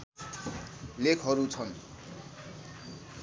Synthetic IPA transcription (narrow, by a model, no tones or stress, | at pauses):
lekʰɦʌɾut͡sʰʌn